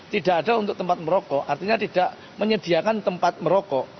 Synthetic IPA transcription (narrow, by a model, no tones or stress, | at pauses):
t̪idaʔadaunt̪ʊk̚t̪əmpat̪̚məɾokɔʔart̪iɲat̪idaʔ | məɲədiakant̪əmpat̪̚məɾokɔ